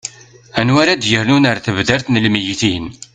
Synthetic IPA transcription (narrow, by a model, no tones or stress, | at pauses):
ænwaɾad̪jəɾnunaɾθəvðæɾθnəlmijiθin